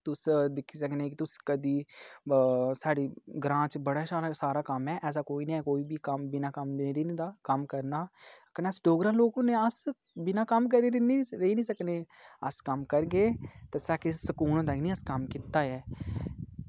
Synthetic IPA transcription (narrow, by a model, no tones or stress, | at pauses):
t̪ʊsd̪ɪkʰːiːsəkneːk̬ɪt̪ʊskəd̪iː | saːɽiːɡɾãːt͡ʃbəɽaːsaːɾasaːɾaːkəmɛːʔɛːs̬aːkoːiːnĩːɛːkoːiːbiːkəmbɪnaːkəmd̪eeːɾeːnẽd̪aːkəmkəɾnaːkənəsɖoːɡɾaːloːkʊneːəs | bɪnaːkəmkəɾeɾeniːɾəiːnĩːsəkneː | əskəmkəɾɡeːt̪eːsaːkesəkuːnõːd̪aknĩːəskəmkiːt̪ːaːɛː